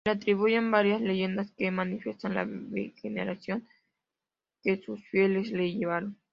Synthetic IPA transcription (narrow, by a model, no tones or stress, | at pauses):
leat̪ɾiβ̞uʝembaɾjasle̞ʝe̞nd̪askemanifje̞st̪anla̰βḛxenḛɾasjo̞ŋ | kesusfje̞lesleʝeβaɾon